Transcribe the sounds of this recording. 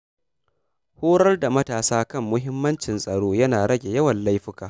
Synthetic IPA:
huː˦ɽɐ˦rda˨mɐ˦taː˨saː˦kɐ˦˨mːʊ˦ɦɪ˦mːɐ˦nt͡ʃɪ˨nsʼɐ˨ɽoː˦jɐ˦naː˨ɽɐ˦ɡʲe˨jɐ˦wɐ˨nla˦jɸɪ˦kaː˨

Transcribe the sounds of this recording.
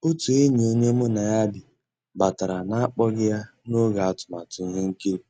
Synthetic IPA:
ʊ˦tu˨i˦ɲe˨o˦ɲe˦mʊ˦na˨ja˦bɪ˨ | ba˨ta˨ɾa˨na˦a˦k͡pɔ˦ɡɪ˦ja˦ | no˦ɡa˨a˦˨tʊ̥˨ma˨tʊ˨ŋ˦ɦʊ˦ŋ̩˦ke˦˨

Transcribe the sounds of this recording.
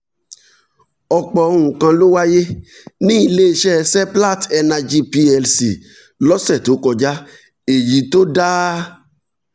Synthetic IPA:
ɔ˧k͡pɔ˧o˧ɾ̃ũ˨kã˧lo˦wa˦je˦ | nĩ˦i˧le˦e˧ʃɛ˦˧sɛ˦pla˦˨tɛ˧nã˧d͡ʒi˦pi˧ɛ˧lsi˨ | lɔ˦sɛ˦˨to˨˦kɔ˧d͡ʒa˦ | e˨ji˨˦to˦da˦

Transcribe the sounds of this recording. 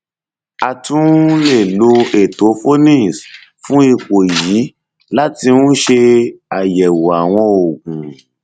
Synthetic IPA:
a˨tũ˦le˦˨lo˧e˨to˨˦fo˦nĩ˦˨s | fũ˦i˦˧ko˨ji˨˦ | la˦ti˧nũ˦ʃe˧a˨jɛ˨wo˨a˨w̃ɔ̃˧o˨ɡũ˨

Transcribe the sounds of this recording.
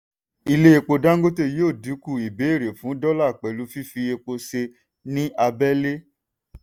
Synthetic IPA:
i˧le˦e˧k͡po˧da˦ŋ̩˦ɡo˦te˦˨joː˦˨du˨˦ku˦˨i˨be˨˦e˦˨ɾe˨fũ˨˦dɔ˦la˦˨k͡pɛ˨lu˧˦fi˦fi˧e˧k͡po˧se˧ | nĩ˦ʔa˧bɛ˦le˦

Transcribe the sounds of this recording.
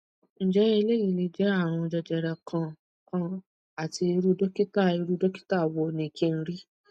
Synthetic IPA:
n̩˨d͡ʒɛ˨˦ɛ˧le˦ji˨˧˨le˧d͡ʒɛ˨˦a˦˨w̃ɔ̃˧d͡ʒɛ˧d͡ʒɛ˨ɾa˧kʰã˧ | kã˦ | a˨ti˧e˧ɾu˦dɔ˦ki˦ta˦˨e˧ɾu˦dɔ˦ki̥˦ta˦˨wɔ˧nĩ˨kʰĩ˦˧n̩˦ɾi˦

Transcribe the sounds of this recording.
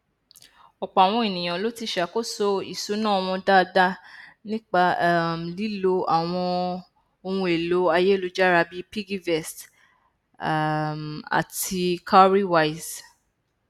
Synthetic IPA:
ɔ˨k͡pɔ˨a˨w̃ɔ̃˧i˨nĩ˨j̃ã˨lo˦ti˧ʃa˨˦ko˦so˦˧i˨su˨˦nãː˦˨ɔ˧w̃ɔ̃˧da˦˧da˦nĩ˦k͡pa˧˦˨m̩˨li˨˦lo˧˦a˨w̃ɔ̃˧ | o˧hũ˧˦e˨lo˨˦a˧je˦˨lo˦d͡ʒa˦ɾa˧bi˦pi˦ɡi˦vɛ˨st | a̰˨ti˧kʰa˦ɾi˦wa˦i˨z

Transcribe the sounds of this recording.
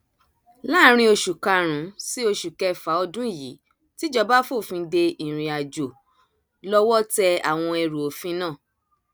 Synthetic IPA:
la˦ɾ̃ĩ˧˦o˧ʃu˨ka˧ɾ̃ũ˨˦si˦o˧ʃu˨kɛ˧˨fa˨˦ɔ˧dũ˦˨jḭ˨˦ | ti˦d͡ʒɔ˧ba˦fo˦˨fĩ˧˦de˧i˨ɾ̃ĩ˨a˨d͡ʒo˨ | lɔ˦wɔ˦tɛ˧a̰˨w̃ɔ̃˧ɛ˧ɾu˨o˨fĩ˦nãː˦˨

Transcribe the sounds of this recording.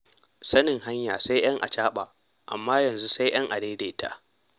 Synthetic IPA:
sɐ˦nɪ˨ŋɦa˦ɲja̰ː˨sa˦jj̰ɐ˦ŋʔa̰˨t͡ʃaː˦ɓa˨ | ʔa̰˨mːaː˦jɐ˨nzu˦sa˦jj̰ɐ˦ŋʔa˨deː˦de˦ta̰˦ʔ

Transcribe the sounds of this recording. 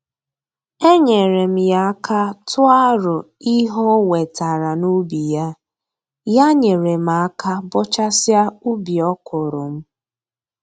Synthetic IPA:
e˦ɲe˨ɾe˨m̩˦ja˦a˦kʰa˦tʰʊ˦a˦ɾʊ˨i˦ɦɔ˦we˨ta˨ɾa˨nu˦bi˨ja˦ | ja˦ɲe˨ɾe˨m̩˨a˨˦ka˦bɔ˦t͡ʃa˦sja˦u˦bi˨ɔ˦kʰʊ˨ɾʊ˨m̩˦

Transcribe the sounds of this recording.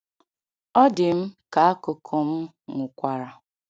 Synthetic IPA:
ɔ˦dɪ˨m̩˦ka˨a˦kʊ˨kʰo˨m̩˦ | ŋʷʊ˨kʷa˨ɾa˨

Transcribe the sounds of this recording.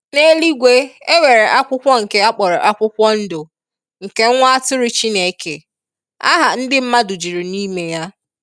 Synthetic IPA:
ne˦li˦ɡʷe˦e˦we˨ɾe˨ʔa˦kʷʊ˦kʷɔ˦ŋ̩˨ke˦a˦k͡pɔ˨ɾɔ˨ʔa˦kʷʊ˦kʷɔ˦n̩˦dʊ˨ | ŋ̩˨ke˦ŋ̩˦ŋʷa˦a˦tʊ˦ɾɪ˦t͡ʃi˦ne˨˦˨kʰḛ˨ | a̰˦ɦa˨n̩˦dɪ˦m̩˦ma˦du˨d͡ʒi˨ɾi˨niː˦me˨ja˦

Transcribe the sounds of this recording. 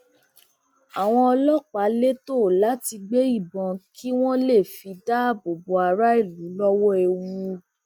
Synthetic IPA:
a˨w̃ɔ̃˧ɔ˧lɔ˦k͡pa˨˦le˦to˦˨la˨˦ti˧ɡ͡be˦i˦˨bɔ̃˨kʰi˦w̃ɔ̃˦le˦˨fi˧da˦˨bo˨bo˨˧a˨˧ɾa˦i˦˨lu˨˦lɔ˦wɔ˦e˨wũ˧

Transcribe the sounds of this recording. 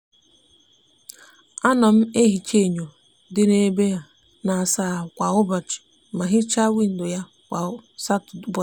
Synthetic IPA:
a˦nɔ˨m̩˦e˦ɦi˨t͡ʃe˦˨ɲo˨ | dɪ˦ne˦be˦ja˦ | na˨a˨sa˨kʷa˨ʊ˦ba˨t͡ʃɪ̥˨ | ma˨ɦɪ˦t͡ʃa˦wi˦n̩˨dʊ˨ja˦ | kʷa˨˦sa˦tbɔ˨

